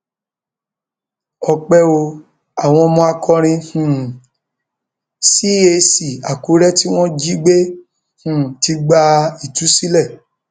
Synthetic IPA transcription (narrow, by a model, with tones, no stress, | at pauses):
ɔ˧k͡pɛ˦o˧ | a˨w̃ɔ̃˧mɔ̃˧a˧kʰɔ˧ɾ̃ĩ˧hũ˨ | si˦e˧si˨a˨ku˨˦ɾɛ˦ti˦w̃ɔ̃˦d͡ʒi˦ɡ͡be˦ | hũ˨ti˧ɡ͡ba˧i˦˨tu˨˦si˦lɛ˦˨